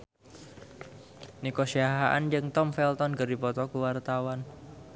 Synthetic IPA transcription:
nikosiaɦaʔa̰nd͡ʒɨŋt̪ɔmfɛlt̪ɔnɡərdipɔt̪ɔkəwart̪awan

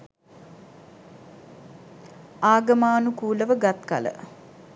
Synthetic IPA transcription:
aːɡəmaːnukuːləʋəɡat̪ka̰lə̰

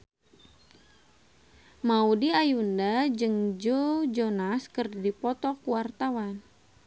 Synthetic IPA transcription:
maudiajundad͡ʒɨŋd͡ʒod͡ʒonaskərdipɔt̪ɔkuwart̪awan

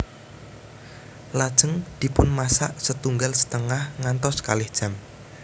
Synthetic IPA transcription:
lad̥ʒ̥əŋd̪̥i̤pʊnmasaʔsət̪uŋɡalsə̥t̪əŋahŋant̪ɔskalɪhd̥ʒ̥a̤m

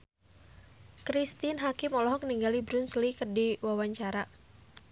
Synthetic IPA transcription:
kɾist̪ɪnɦakɪmɔlɔɦɔkniŋɡalibɾunslikərdiwawaɲt͡ʃaɾa

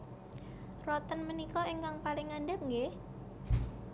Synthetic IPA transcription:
rɔt̪ənmənikɔeŋkaŋpalɪŋaɳdap̚ŋɡeh

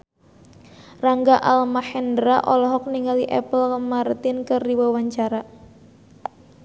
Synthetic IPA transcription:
raŋɡaʔalmahɛndɾaʔɔlɔɦɔk̚niŋaliʔɛ̰pəlmart̪ɪnkɨrdiwawaɲt͡ʃaɾa

